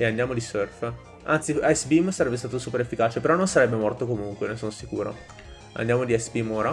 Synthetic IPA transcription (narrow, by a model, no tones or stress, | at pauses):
eand̪jaːmod̪isørf | a̰nt̪siajsbimsaɾɛbːest̪aːt̪osuːpeɾefːikaːt͡ʃepeɾɔnːonsaɾɛbːemɔrt̪okomuŋkwenesoːnosikṵːɾo̰ | a̰nd̪jaːmod̪iasbimoːɾa